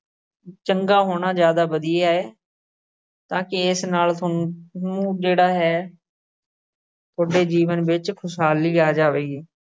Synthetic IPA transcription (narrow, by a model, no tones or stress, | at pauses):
t͡ʃəŋɡaːɦoːɳaːd͡ʒjaːd̪aːbəd̪ijeːaːeː | t̪ãːkɪɪsnaːlʰʊũːd͡ʒeːɽaːɦɛː | t̪ʰoɖeːd͡ʒiːʋənbɪt͡ʃkʰʊsɦaːliːaːd͡ʒaːʋeːɡiː